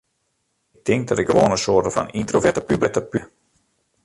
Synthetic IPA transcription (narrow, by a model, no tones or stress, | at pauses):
ɪk̚tʰɪŋk̚dɔtɪkɡəʋɔːnəsoːrtəfa̰nintrovɛtəpyblətəpy